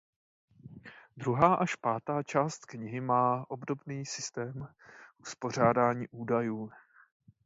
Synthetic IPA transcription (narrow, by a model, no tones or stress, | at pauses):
d̪ɾuɦaːʔaʃpaːt̪aːt͡ʃaːst̪kɲɪɦɪmaːʔo̞bdo̞bniːsɪst̪ɛːm | ʔuspo̞r̝aːdaːɲiːʔuːdajuː